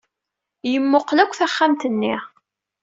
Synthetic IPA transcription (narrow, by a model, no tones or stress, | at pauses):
jəmːoqlækʷːθæχːamt̪ənːi